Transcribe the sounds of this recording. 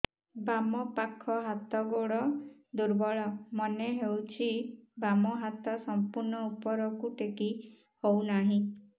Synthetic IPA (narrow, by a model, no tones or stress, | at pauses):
bamɔpakʰːɔɦat̪ɔɡoɽɔd̪uɾbɔɭɔmɔneɦewt͡ʃʰibamɔɦat̪ɔsɔmpuɾnɔupɔɾɔkuʈeki | hownaɦĩ